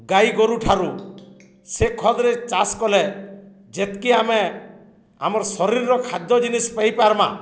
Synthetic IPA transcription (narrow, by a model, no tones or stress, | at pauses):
ɡajɡɔɾuʈʰaɾu | sekʰɔd̪ɾet͡ʃaskɔle | d͡ʒet̪kiame | a̰mɔɾsɔɾiɾːɔkʰad̪jɔd͡ʒinispejpaɾma̰